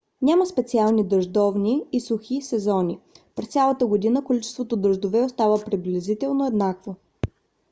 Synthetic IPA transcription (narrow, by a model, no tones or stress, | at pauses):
nʲaməspɛt̪sialˠnid̪əʒd̪ɔvniːsuxisɛzɔnʲipɾɛst̪sʲalˠət̪əɡod̪inəkolit͡ʃɛ̥st̪vot̪od̪ɾəʒd̪ovɛost̪avəpɾiblʲɛzit̪ɛlˠnoɛd̪nakvo